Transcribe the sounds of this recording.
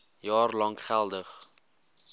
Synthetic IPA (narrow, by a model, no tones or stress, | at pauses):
jɑːrlɐŋχælˠdəχ